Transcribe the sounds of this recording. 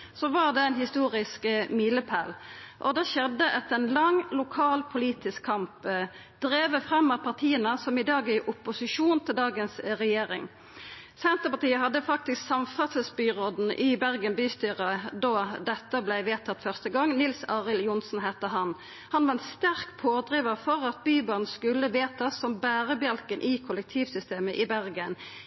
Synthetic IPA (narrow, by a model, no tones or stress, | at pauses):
sɔʋɑʁd̪ɛæɪnɦɪst̪uːʁɪskmiːləpʰæːlʔɔd̪ɛʃɛd̪ːəʔɑt̪ɛnlɑŋlʊkʰɑːlpʰʊliːt̪ɪskʰːɑmp | d̪̥ɾeːʋəfʁɑmːɑpʰɑʁt̪ʰiːənəsɔmɪd̪ɑːɡɪʔʊpʊsɪʃuːnt̪ʰɪld̪ɑːɡənsʁɛjeːɾɪ̰ŋ | sɛnt̪əpɑʁt̪iːəɦɑd̪ːəfɑk̚t̪ɪsksɑmfɑt̪səsbyːʁɔd̪n̩ʔɪbæʁɡənbyːst̪yːʁəd̪ɔd̪ɛt̪ːəblæɪʋeːt̪ʰɑt̪ːfœʁst̪əɡɑŋːnɪlsɑːʁɪljʊnsn̩ɦæt̪əɦɑn | hɑnʋɑːʁɛnst̪æʁkpʰoːd̪ʁiːʋəʁfɔʁɑt̪̚byːbɑʁnskʉlːəʋeːt̪ʰɑsɔmbæːʁəbjɑlkənʔɪkʰʊlək̚t̪ʰiːʋsʏst̪eːməʔɪbæʁɡən